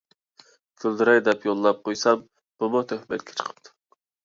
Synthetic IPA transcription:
kʲʰøld̪ɪɾɛjd̪ɛpjolˠːɑp̚qojsɑm | b̥umʊt̪ʰøhmɛt̪̚kʲʰɛ̥t͡ʃʰə̥qʰə̥pt̪ʰu̥

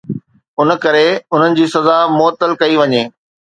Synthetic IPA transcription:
ʊn̆kɐɾeʊn̤ənɪ̆d͡ʑiːsɐzamʊət̪ːəlkɐiʋɐɲeː

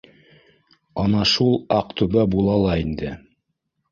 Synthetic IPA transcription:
ɑnɑʃulˠɑq̚t̪ʉβæbulˠɑlˠɑind̪ɘ

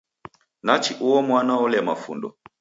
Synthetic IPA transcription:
nat͡ʃiʔuwɔmwanaɔlɛmafṵndɔ̰

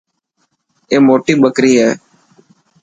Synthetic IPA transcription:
eːmoːʈiːɓəkɾiːɦɛː

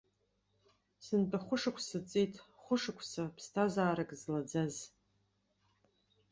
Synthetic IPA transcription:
sɨntʼaχʷʊʂɨkʷʰsɨt͡sʼijtʰʼ | χʷʊʂakʷʰsapʰstʰazaːɾakʼzlad͡zaz

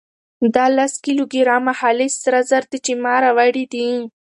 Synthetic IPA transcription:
d̪ɑlaskiloɡiɾɑmahalɪsɾazaɾt̪it͡ʃimɑɾawaɽid̪i

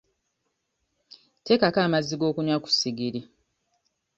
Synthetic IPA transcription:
te̞kakaːmazːiɡo̞ːkuɲwaku̥siɡiɾi

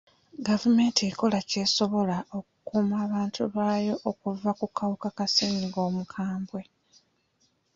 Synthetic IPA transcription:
ɡavume̞ːntieko̞lace̞ːso̞βo̞lao̞ku̥kuːmaːβaːntʰuβaːjo̞ʔokuvːakukawukakasiːniɡo̞ːmukʰaːmbwe̞

